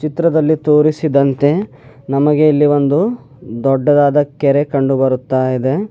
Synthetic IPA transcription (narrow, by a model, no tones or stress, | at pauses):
t͡ʃit̪ɾɐd̪ɐlːit̪oːɾisid̪ɐnt̪e̞ | nɐmɐɡe̞ilːiʋo̞nd̪u | d̪ɔɖːɐd̪aːd̪ɐkɛɾekɐɳɖubɐɾut̪ːaːjid̪e̞